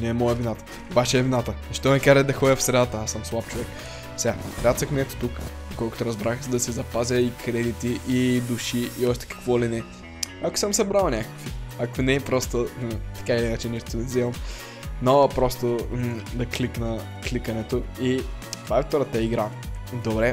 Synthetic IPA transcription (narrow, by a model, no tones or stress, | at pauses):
nɛːmɔjəvinat̪ə̥ | obat͡ʃɛːvinat̪əzɐʃt̪ɔnɛkaʒɛd̪ɐxɔjəfsɾɛd̪at̪əasəmslˠapt͡ʃovɛk | fsʲɛapɾʲat̪vɐxminɛt̪o̥t̪ukd̪okɔlˠkʊ̥t̪ʊɾɐzbɾaxzd̪ɐsɛzɐpazʲəikɾɛd̪it̪iʔːd̪uʃiʔːɔʃt̪ɛ̥kɐ̥kvɔlinɛ | ɐkʊ̥səmsɐbɾalˠnʲakə̥kviɐkonɛːpɾɔst̪ot̪ɐ̥kailiinət͡ʃɛniʃt̪onɛzɛvɐm | nolˠɐpɾɔst̪od̪ɐkliknə | klikɐnɛt̪oi | t̪vaɛft̪ɔɾət̪ɐiɡɾa | d̪obɾɛ